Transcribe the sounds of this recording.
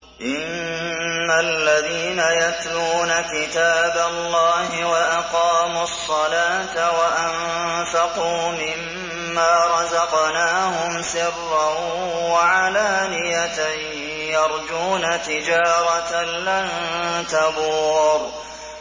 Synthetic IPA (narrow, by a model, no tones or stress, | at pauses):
ʔɪnː | alːaðiːnajat̪luːnakɪt̪aːbalːɑːhɪwaʔɑqɑːmʊɑsˤːɑlaːt̪waʔam | fɑquːmɪmː | aːɾˤɑzɑqnaːhʊmsɪrːa | waʕalaːnɪjat̪aj | jɑɾˤd͡ʒuːnat̪ɪd͡ʒaːɾˤɑt̪alant̪abuːɾ